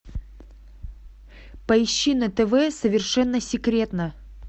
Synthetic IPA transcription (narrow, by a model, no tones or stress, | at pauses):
pɐɪɕːinət̪ɛvɛsəvʲɪrʂɛnːəsʲɪkɾʲe̞t̪nə